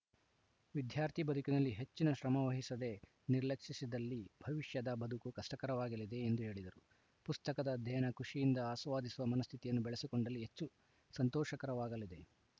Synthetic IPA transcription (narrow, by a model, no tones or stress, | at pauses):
ʋid̪ʱjaːɾt̪ʰibɐd̪ukinɐlːiɦe̞t͡ʃːinɐʃɾɐmɐʋɐɦisɐd̪e̞ | niɾlɐkʂisid̪ɐlːibʱɐʋiʂjɐd̪ɐbʱɐd̪ʱukukɐsʈɐkɐɾɐʋaːɡɐlid̪e̞ːnd̪uɦe̞ːɭid̪ɐɾu | pust̪ɐkɐd̪ɐd̪ʱɛjɐnɐkuʂijind̪ɐaːsʋaːd̪isuʋɐmɐnɐst̪ʰit̪ijɐnːubɛɭesikoɳɖɐlːiɦet͡ʃːu | sɐnt̪ɔːʃɐkɐɾɐʋaːɡɐlid̪e̞